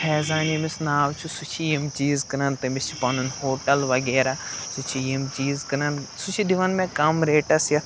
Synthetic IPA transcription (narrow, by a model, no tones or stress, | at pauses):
pʰɛːzaːnimisnaːwt͡ʃʰusut͡ʃʰijimt͡ʃiːzkɐnɐnt̪ɐmist͡ʃʰi̥pɐnunhoːʈɐlʋɐɡeːɾasut͡ʃʰijimt͡ʃiːzkɐnɐnsut͡ʃʰid̪iʋɐnmẽkɐmɾeːʈɐsjɐt̪